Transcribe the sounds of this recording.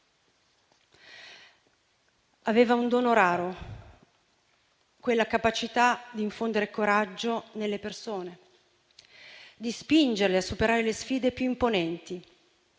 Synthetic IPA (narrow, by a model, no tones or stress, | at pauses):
aveːvaund̪oːnoɾaːɾo | kwelːakapat͡ʃit̪ad̪iːɱfond̪eɾekoɾad͡ʒːonelːepersoːne | d̪ispind͡ʒerleasːupeɾaːɾelesfiːd̪epjuimponɛnt̪i